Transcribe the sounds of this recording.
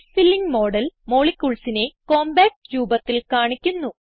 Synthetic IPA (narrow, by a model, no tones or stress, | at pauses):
filːiŋɡmo̞ːɖɐlmo̞ːɭikʲːuɭsine̞ko̞ːmbaːʈɾuːbɐt̪ːilkaːɳikʲːunːu